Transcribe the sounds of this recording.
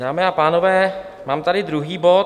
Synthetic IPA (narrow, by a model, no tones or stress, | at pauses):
daːmɛːapaːnovɛː | maːmt̪adɪd̪ɾuɦiːbo